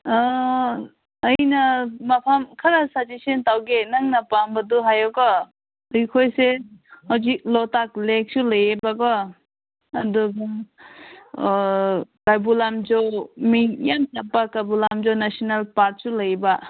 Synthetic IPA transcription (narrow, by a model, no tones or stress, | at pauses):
jnɐmapʰamkʰɐɾasatisentawɡenaŋnapambɐduɦajɔɡɔ | jkʰojsehawziklɔtak̚lek̚sulajebaɡɔ | ɐduɡa | kabulamd͡ʒomijamtapːakajbulamd͡ʒɔnasɔnalpaɾt̚sulajba